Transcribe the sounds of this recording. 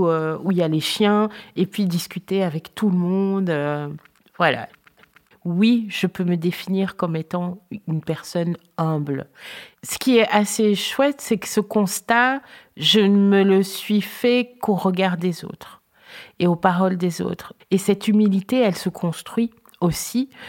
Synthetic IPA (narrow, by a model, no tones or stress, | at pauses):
øuiljaleʃjɛ̃epɥid̪iskʲyt̪eavɛkt̪uləmɔ̃d̪ø | vwala̰ | wiʒ̥əpøməd̪efiniʁkɔmet̪ɑ̃ynpɛʁsɔn | ɛ̃blsə̥kʲiɛʔaseʃwɛt̪sɛkə̥səkɔ̃st̪aʒəmələsɥifɛkoʁəɡaʁd̪ezo̰ːt̪χ | eopaʁɔld̪ezo̰ːt̪χesɛt̪ymilit̪eɛlsəkʰɔ̃st̪χɥi | osi